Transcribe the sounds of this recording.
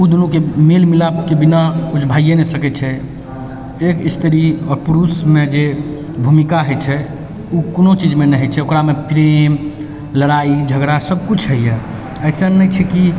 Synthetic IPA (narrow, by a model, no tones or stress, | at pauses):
ud̪unukemelmilakebinakut͡ʃʰbʱajenɛsəkɛt͡ʃʰɛ | ekist̪ʰɾiɔːɾpuɾusmed͡ʒe | bʱumikaɦəjt͡ʃʰɛ | ukonot͡ʃid͡ʒmenɛɦət͡ʃʰɛokɾamepɾem | ləɾaid͡ʒʱəɡɾasəb̚kut͡ʃʰɦəijɛ | əɪsənːəjt͡ʃʰɛki